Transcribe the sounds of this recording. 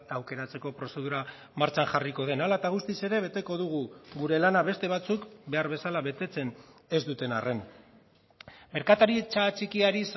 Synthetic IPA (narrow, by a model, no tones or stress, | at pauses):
awke̞ɾat͡se̞ko̞pɾo̞se̞ð̞uɾa | maɾt͡ʃanxariko̞ð̞e̞nalat̪aɣ̞ust̪ise̞ɾe̞βe̞t̪e̞ko̞ðuɣ̞uɡuɾe̞lanaβe̞st̪e̞β̞at͡sukbe̞aɾβe̞salaβe̞t̪e̞t͡se̞n | e̞zd̪ut̪e̞nare̞n | me̞ɾkat̪aɾit͡ʃat͡ʃikiaɾis